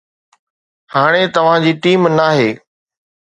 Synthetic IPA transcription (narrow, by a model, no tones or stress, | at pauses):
haːɽ̃et̪ɐʋ̤ãd͡ʑiːʈiːmnaːɦeː